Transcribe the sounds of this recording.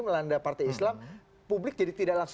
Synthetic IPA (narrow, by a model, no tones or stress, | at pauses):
məlandapart̪ajislam | publɪk̚d͡ʒadit̪idaʔlaŋs